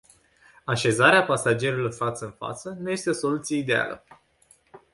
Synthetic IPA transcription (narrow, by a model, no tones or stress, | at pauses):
aʃe̞zaɾeapasad͡ʒe̞ɾulorfat̪səɨnfa̰t̪sənuje̞st̪eo̞so̞lut̪sije̞id̪e̞a̰lə̰